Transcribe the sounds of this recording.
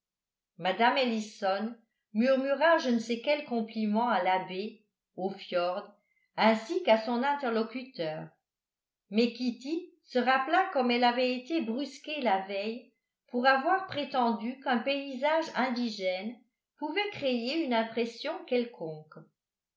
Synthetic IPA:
mad̪amelisɔn | myʁmyʁaʒənəsekɛlkɔ̃plimɑ̃alabe | ofjɔʁd̪ | ɛ̃sikasɔ̃nɛ̃t̪ɛʁlɔkyt̪œːʁ | mɛkʲit̪i | səʁaplakɔmɛlavɛet̪ebʁyskelavɛj | puʁavwaʁpχet̪ɑ̃d̪ykœ̃peizaʒɛ̃d̪iʒɛn | puvɛkχejeynɛ̃pχɛsjɔ̃kɛlkʰɔ̃k

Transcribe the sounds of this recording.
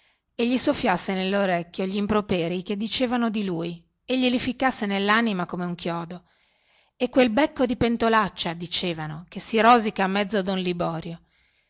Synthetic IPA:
eʎːisofːjasːenelːoɾekʲːjoʎimpɾopeːɾiked̪ːit͡ʃeːvanod̪iluːi | eʎːilifikːasːenelːanimakomeuŋkjɔːd̪o | ekːwelbɛkːod̪ipent̪olat͡ʃːad̪it͡ʃeːvanokesːiɾɔːzikaːmːɛd̪zːod̪unlibɔːɾjo

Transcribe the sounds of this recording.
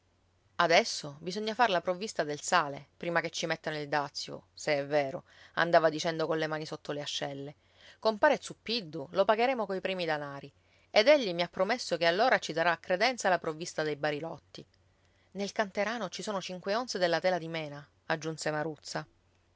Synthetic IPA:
ad̪ɛsːobizoɲːafaɾlapɾovːist̪ad̪elsaːlepɾiːmaket͡ʃːimet̪ːanoild̪at̪sːjo̰seɛvːeːɾo̰ | a̰nd̪aːvad̪it͡ʃɛnd̪okolemaːnisot̪ːoleaʃːɛlːe | kompaːɾet̪supːid̪ːulopaɡeɾeːmokoipɾiːmid̪anaːɾi | ed̪ɛʎːimiapːɾomesːokealːoːɾat͡ʃisaɾaːkːɾed̪ɛnt̪salapɾovːist̪ad̪ejbaɾilɔt̪ːi | nelkant̪eɾaːnot͡ʃisoːnot͡ʃiŋkweonsed̪elːat̪ɛːlad̪imɛːna | ad͡ʒːunsemaɾut̪sːa

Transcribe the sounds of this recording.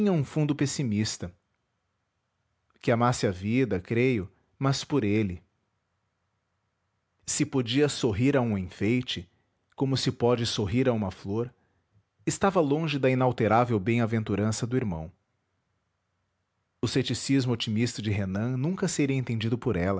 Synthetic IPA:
ĩɲɐũfũnd̪ʊpesimist̪ɐ | kɪamasɪɐvid̪ɐkɾejʊ | mɐspoɾelɪ | sɪpod͡ʒiɐsoɦiɾaũẽfejt͡ʃɪ | kõmʊsɪpɔd͡ʒɪsoɦiɾaũmɐfloɾ | ɪst̪avɐlõʒɪd̪ɐinawt̪eɾavewbẽj̃avẽnt̪uɾɐ̃sɐd̪ʊiɾmɐ̰̃w̃ | ʊset͡ʃisizmʊot͡ʃimist̪ɐd͡ʒɪɦenɐ̃nũŋkɐseɾiɐẽnt̪ẽnd͡ʒid̪ʊpoɾɛlɐ

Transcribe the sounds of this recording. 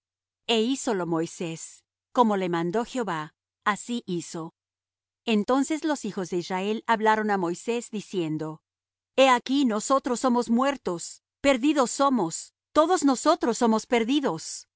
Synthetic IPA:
e̞iso̞lo̞mo̞jse̞s | ko̞mo̞le̞mãnd̪o̞xeo̞βa | asiʔiso̞ | ent̪o̞nse̞slo̞sixo̞zðe̞izrae̞laβlaɾo̞namo̞jse̞zd̪isje̞nd̪o̞ | e̞akino̞so̞t̪ɾosːo̞mo̞zmwe̞ɾt̪os | pe̞ɾðiðo̞sːo̞mo̞s | t̪o̞ðo̞zno̞so̞t̪ɾosːo̞mospe̞ɾðiðo̞s

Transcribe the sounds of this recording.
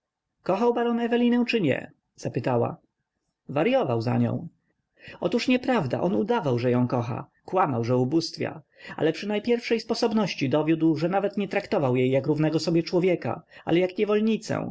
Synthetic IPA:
kɔxawbaɾɔnɛvɛlʲinɛw̃t͡ʂɘɲɛ̰ | z̥apɘt̪awa̰ | vaɾjɔvawza̰ɲɔ̰̃w̃ | ɔt̪uʂɲɛpɾavd̪a̰ʔɔnud̪avawʐɛjɔ̃w̃kɔxa̰ | kwamawʐɛubust̪fʲja̰ | a̰lɛpʂɘnajpʲjɛɾfʂɛjspɔsɔbnɔɕt͡ɕid̪ɔvʲjud̪wʐɛnavɛt̪ɲɛt̪ɾakt̪ɔvawjejːakɾuvnɛɡɔsɔbʲjɛt͡ʂwɔvʲjɛka̰ʔa̰lɛjakɲɛvɔlɲit̪sɛ̰̃w̃

